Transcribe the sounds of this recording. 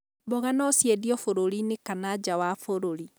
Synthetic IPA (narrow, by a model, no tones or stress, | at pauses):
bɔɣanɔsjɛdiɔfoɾoɾinekanad͡ʑawafoɾoɾi